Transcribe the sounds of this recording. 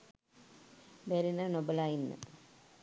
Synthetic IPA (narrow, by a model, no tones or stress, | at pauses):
bɛɾinanobəlaːjinːə̰